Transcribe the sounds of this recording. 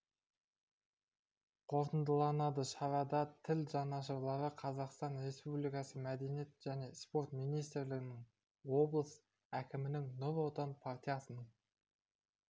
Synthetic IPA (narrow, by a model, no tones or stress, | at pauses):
qʰo̞ɾt̪ənd̪əlˠɑnɑd̪əʃɑɾɑd̪ɑt̪ʰɪlʒɑnɑʃ̬əɾlˠɑɾəqʰɑzɑqst̪ɑnɾe̞spublijkɑsəmæd̪e̞nijet̪ʒ̥æne̞spo̞ɾt̪mijnijst̪ɾlɪɡʲɪnɪŋ | wo̞blˠəs | ækʲɪmɪnɪŋnolˠot̪ɑnpʰart̪ʲijɑsən